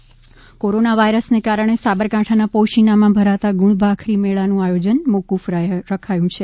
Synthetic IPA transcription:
koɾonaʋaiɾəsnekaɾəɳ̃esabəɾkãʈʰanapoʃinamãbʱəɾat̪aɡuɭbʱakʰɾimeɭanũajod͡ʒənmokufɾɾəkʰajũt͡ʃʰe

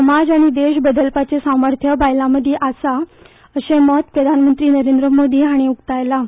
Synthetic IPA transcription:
səmad͡zaɽ̃id̪eɕbəd̪əlpat͡sesaməɾt̪ʰjəbajlaməd̪ʱjeʔasa | əɕemɔt̪pɾəd̪ʱanmənt̪ɾiːnəɾend̪ɾəmod̪ʱiːɦaɽ̃iukt̪ajla

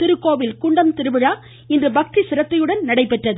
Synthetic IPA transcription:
t̪ɪɾɯkːoːʋɪlkʊɳɖɐmt̪ɪɾɯbɯɻaː | ɪndrɯbɐk̚t̪isɪɾɐt̪ːɐjɯɽɐnnɐɽɐɪpːɛʈrɐðɯ

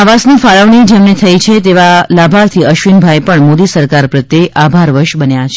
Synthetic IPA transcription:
aʋasnifaɭəʋɳid͡ʒemnet̪ʰəit͡ʃʰet̪eʋalabʱaɾt̪ʰiəʃʋinbʱaepəɳmod̪isəɾkaɾpɾət̪ːeʔabʱaɾʋəɾʃbənjat͡ʃʰe

